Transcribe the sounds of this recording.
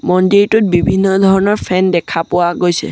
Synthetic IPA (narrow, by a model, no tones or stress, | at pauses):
mɔndejtʊt̚bibʱinːɔdʱɔɹɔnɔɹpʰɛndɛkʰapʊwaɡojsɛ̰